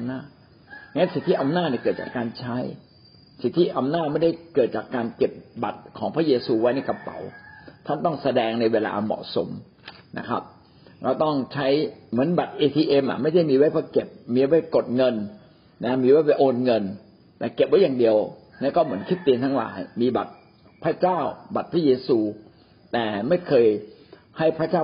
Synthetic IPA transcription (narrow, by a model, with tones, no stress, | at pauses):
mnaː˥˩t̪̚ | a˧ŋː˦a˦˥si˨˩t̪ʰːi˥ʔa˧mnaː˥˩t̪ni˧˩kɤː˨˩t̪̚t͡ɕa̰ː˨˩kːaː˧nt͡ɕʰa˦˥j | si˨˩t̪ʰːiː˥˩ʔa˧mnaː˥˩t̪̚ma˥˩jda˥˩jkɤː˨˩t̪̚t͡ɕaː˨˩kːaː˧nke˨˩p̚ba˨˩t̪̚kʰɔː˩˦ŋpʰɾa˦˥jeː˧suː˧wa˦˥jna˧jka˧pa̰˨˩˦wt̪ʰa˥˩nt̪ɔ˥˩ŋsa˧dɛː˧ŋna˧jweː˧la̰ː˧mɔ̰ː˨˩so̰˨˩˦m | na̰˦˥kʰa̰˦˥p̚ | ɾa˧wt̪ɔ˥˩ŋt͡ɕʰa˦˥jmɯ˩˦ənba˨˩t̪̚ʔeː˧t̪ʰiː˧ʔe˧mʔa̰˨˩ʔma˥˩jda˥˩jmiː˧wa˦˥˩jpʰːke˨˩p̚miː˧˦wa˥˩ko˨˩t̪̚ŋɤ˧n | na˦˥miː˧wa˦˥˩jwa˧˩ʔoː˧nŋɤ˧n | ɛː˨˩ke˨˩p̚wa˦˥jaː˨˩di˧əw | na˦˥kɔː˥˩mɯ˩˦ənkʰi˦˥t̪ːiː˧nt̪ʰa˦˥ŋla̰ː˩˦jmiː˧ba̰˨˩t̪̚ | pʰɾa˦˥t͡ɕaː˥˩wba˨t̪̚pʰɾa˦˥jeː˧suː˧ | t̪ɛː˨˩ma˥˩jkʰɤː˧j | ha˥˩jpʰɾa˦˥˩t͡ɕaː˥˩